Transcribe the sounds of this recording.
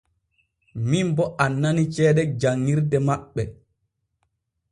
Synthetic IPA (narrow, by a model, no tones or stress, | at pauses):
mimbɔʔanːanit͡ʃɛːɗɛd͡ʒaŋːiɾdɛmaɓːɛ